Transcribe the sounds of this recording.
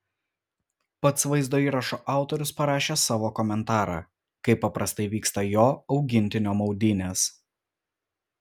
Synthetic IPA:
pɐt̪sʋɐɪzd̪oːiːɾɐʃoːʔɑˑʊt̪oːɾʲʊspɐɾɑːʃʲeːsɑːʋoːkɔmʲɛnt̪ɑːɾɑ̰ː | kɐɪpːɐpɾɐst̪ɐɪʋʲiːkst̪ɐjoːɒʊɡʲɪnʲt̪ʲɪnʲoːmɒʊd̪ʲɪnʲeːs

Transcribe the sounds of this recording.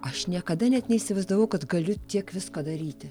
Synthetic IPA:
ɐʃnʲiɛkɐd̪ɐnʲɛt̪nʲɛisʲɪʋɐɪzd̪ɐʋɐʊkɐt̪ɡɐlʲʊt̪ʲiɛkʋʲɪskoːd̪ɐɾʲiːt̪ʲɪ

